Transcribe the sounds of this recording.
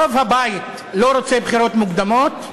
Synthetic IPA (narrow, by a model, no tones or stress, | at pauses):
ovhabajit̪ | lo̞ɾot͡sebχiɾo̞t̪muɡd̪amo̞t̪